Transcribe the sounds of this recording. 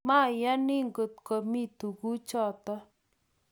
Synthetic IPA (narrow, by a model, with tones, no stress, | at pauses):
ma˦˨ja˦nɪ˦ŋɡo˨t̪̚ko˨mi˦˨t̪u˨ɡu˦t͡ʃɔ˦˨t̪ɔ˦